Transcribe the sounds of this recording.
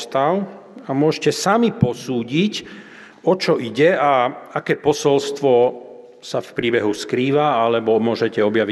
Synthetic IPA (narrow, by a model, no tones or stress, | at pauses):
t̪al | amʊɔʒcɛsamipɔsuːɟic | ɔt͡ʃɔʔiɟɛaakɛːpɔsɔlst̪ʋɔ | safpɾiːbɛɦuskɾiːʋaalɛbɔmʊɔʒɛcɛɔbjaʋi